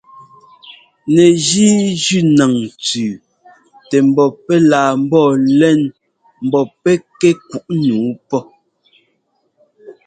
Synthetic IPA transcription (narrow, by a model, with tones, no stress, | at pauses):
nɛ˨d͡ʒi˦d͡ʒʉ˦˨na˨ŋt͡sʉː˨ | tɛ˨m̩˦˨bɔ˨pɛ˦laː˨m̩˦bɔː˦˨lɛ˦˨n | m̩˨bɔ˨pɛ˦kɛ˦k̚u˨ʔnuː˨˦pɔ˦